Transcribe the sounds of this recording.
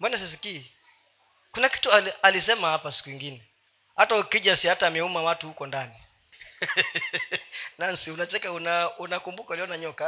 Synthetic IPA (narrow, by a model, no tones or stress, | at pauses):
mbɔnas̬is̬ikiː | kunaki̥tualalisɛmahapasi̥kuiŋɡinɛ | hataukiʄasiatamɛumawatuhukɔndani | nansiunat͡ʃɛkaunaunakumbukauliɔnaɲɔka